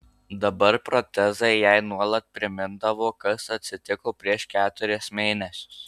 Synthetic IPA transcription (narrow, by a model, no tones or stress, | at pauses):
d̪ɐbɐɾpɾɔt̪ʲɛzɐɪjɛɪnuɔlˠɐt̪̚pʲɾʲɪmʲɪnd̪ɐʋoːkɐsɐt̪ʲsʲɪt̪ʲɪkoːpʲɾʲiɛʃkʲæːt̪ʊɾʲɪsmʲeːnʲɛsʲʊ̥s